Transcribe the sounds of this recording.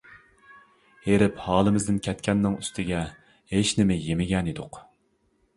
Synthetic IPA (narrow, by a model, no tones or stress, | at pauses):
heɾɪphɑːlˠɨmɪzd̪ɪnkʲʰɛt̪̚kʲʰɛnːɪŋyst̪ʰɪɡʲɛ | heʃnɪmɪjemɪɡʲɛnid̪ʊq